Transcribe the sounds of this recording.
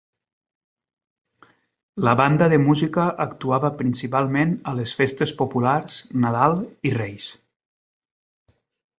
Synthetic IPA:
ləβand̪əðəmuzikəʔːkt̪uaβəpɾinsipalˠmenəlesfest̪espopulaɾznaðalˠirejs

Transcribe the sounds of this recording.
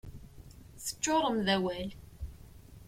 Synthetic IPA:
θə̥t͡ʃːoɾˤəmðæwæl

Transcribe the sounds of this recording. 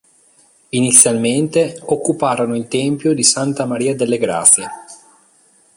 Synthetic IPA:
init̪sːjalment̪eokːupaːɾonoilt̪ɛmpjod̪isant̪amaɾiːad̪elːeɡɾa̰t̪sːje

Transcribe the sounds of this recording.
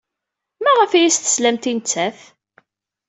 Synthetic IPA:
mæʁəfijist̪ə̥slæmt̪int͡sːæθ

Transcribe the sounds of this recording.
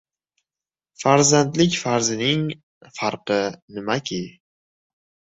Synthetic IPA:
faɾzant̪lɪkʲfaɾzɪnɪŋ | faɾqɨnɪmakʲʰɪ

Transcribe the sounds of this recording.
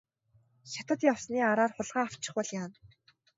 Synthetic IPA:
ʃat̪ə̆t̪jawsniːaɾaːrχʊɮʁaːaw̥t͡ɕɪ̥̆χpɔɮjaːn

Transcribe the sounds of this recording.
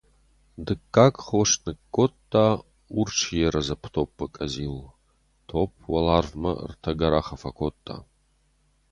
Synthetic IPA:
dɨkːaːkʼχwɐʂnɨkʼːotʼːaː | ʊrt͡ʃʰjɛɾɐzɐpʰtʰoːpʰːɐkʼɐziːl | tʰoːp̚ʰwɐlaːrvmɐ̰rtʰɐɡɐɾaχɐfɐkʷʰotʼːa̰ː

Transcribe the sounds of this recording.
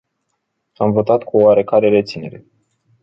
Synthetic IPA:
amvo̞t̪at̪kuoaɾe̞kaɾe̞ɾe̞t̪sine̞ɾe̞

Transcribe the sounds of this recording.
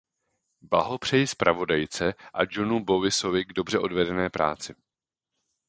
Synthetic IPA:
blaɦo̞pr̝̥ɛjɪspɾʔavo̞dajt͡sɛʔad͡ʒo̞nubo̞vɪso̞vɪɡdo̞br̝ɛʔo̞dvɛdɛnɛːpɾa̰ːt͡sɪ

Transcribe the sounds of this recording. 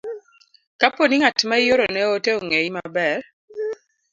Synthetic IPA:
kaponiŋatmajoɾonɛoteoŋeimabɛr

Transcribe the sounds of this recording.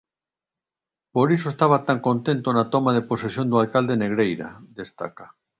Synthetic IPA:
poɾisoest̪aβat̪aŋkõnt̪ent̪onat̪omaðeposesjond̪ualkald̪eneɣɾejɾa̰d̪est̪a̰ka

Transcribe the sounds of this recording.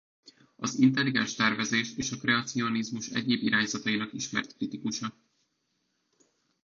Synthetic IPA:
ɒ̰zint̪ɛlːiɡɛnʃt̪ɛrvɛzeːʃeːʃɒkrɛɒt̪sio̞nizmuʃɛ̰ɟeːbiɾaːɲzɒt̪ɒjinɒkiʃmɛ̰rt̪krit̪ikuʃɒ

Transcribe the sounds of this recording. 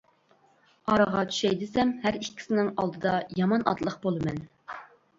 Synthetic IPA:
ɑɾɑʁɑt͡ʃʰy̥ʃɛjd̪ɨsɛmhæɾikʲʰːi̥sɪnɪŋɑlˠd̪ɨd̪ɑjɑmɑnʔɑ̰t̪lˠəχbolˠɨmɛn

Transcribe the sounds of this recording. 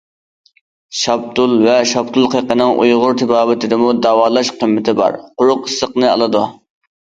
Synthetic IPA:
ʃɑp̚t̪ulˠvɛʃɑb̚t̪ʰulˠqʰeqənɨŋʔṵjʁʊɾt̪ʰɪbɑːbɪt̪ɪd̪ɪmud̪ɑːwɑːlˠɑʃqʰəmːɪt̪ʰɪbɑ̰ɾqʊɾʊqəsːəqnɨɑ̰lˠɨd̪u

